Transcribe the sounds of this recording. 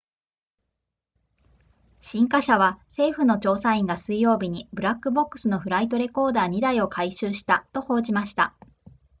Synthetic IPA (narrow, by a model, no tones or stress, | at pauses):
ɕĩŋkaɕaβ̞ase̞ːɸɯ̟no̞t͡ɕo̞ːsaĩŋɡasɨijo̞ːbʲiɲ̟ibɯ̟ɾakːɯ̟bo̞kːɯ̟̥sɨno̞ɸɯ̟ɾait̪o̞ɾe̞ko̞ːd̪aːɲ̟id̪aio̞kʰaiɕɨːɕi̥t̪at̪o̞ho̞ːʑimaɕi̥t̪a̰